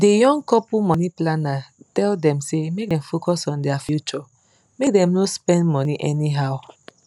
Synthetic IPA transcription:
dejɔ̃ŋɡkɔpumɔniplanatɛldɛ̃msemek̚dɛ̃mfokɔsɔ̃ndɛafjut͡ʃɔ | mek̚dɛ̃mnospɛ̃ndmɔniʔɛniɦaʊ

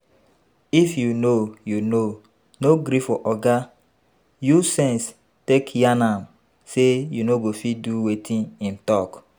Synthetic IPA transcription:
ifjunojuno | noɡɾifɔʔɔɡa | jusɛ̃ns | tekjanãm | sejunoɡofiduwetʰĩnĩntɔk

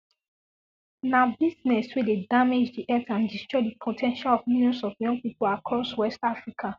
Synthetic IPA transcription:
nabiznɛswidedamed͡ʒdiʔɛtãndistɹɔɪdipʰotʰɛ̃nʃalɔvmiljɔ̃nsɔvjɔ̃ŋɡ̚pipolakʰɔswɛstafɹikʰa

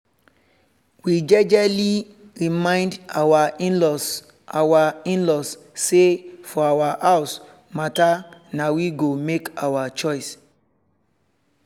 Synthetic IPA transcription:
wid͡ʒɛd͡ʒɛli | ɹimãɪ̃ndawaĩnlɔs | awaĩnlɔsːefɔawaaʊs | matanawiɡomekawat͡ʃɔɪs

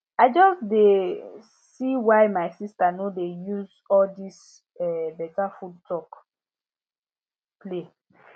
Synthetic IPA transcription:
aɪd͡ʒɔsde | siwaɪmaɪsistanodejuz | ɔldis | ɛbɛtafudtʰɔk | ple

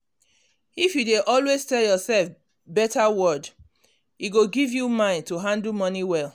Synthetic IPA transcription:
ifjudeʔɔlweztɛljɔsɛlf | bɛtawɔd | iɡoɡivjumãɪ̃ntuɦãndl̩mɔniwɛl

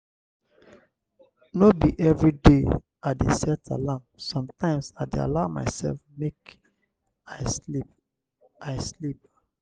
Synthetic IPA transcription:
nobiʔɛvɹide | adesɛtʰa̰lamsɔ̃mtʰãɪ̃msaɪdea̰laʊma̰ɪsɛ̰lfmek | aɪslip | ʔaɪslip̚

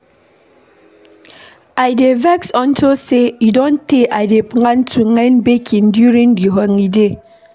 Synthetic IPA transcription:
aɪdevɛksɔ̃ntosejidɔ̃nteʔaɪdepŋãntʰuŋɛnbekʰĩndjuɹĩŋdiɦɔŋide

